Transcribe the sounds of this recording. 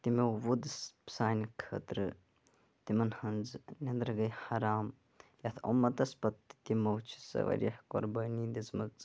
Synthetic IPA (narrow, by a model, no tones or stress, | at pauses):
t̪imewʋud̪spsaːnkʰə̰ːt̪ɾɨ | t̪imɐnhɐnd͡znʲend̪ɾɐɡɐjhɐɾaːm | jɐt̪ʰomːɐt̪ɐspɐt̪ːi̥t̪imɐwt͡ʃʰi̥sɐ̰ʋɐ̰ɾjɐhko̰ɾbɐːnid̪izmɐt͡s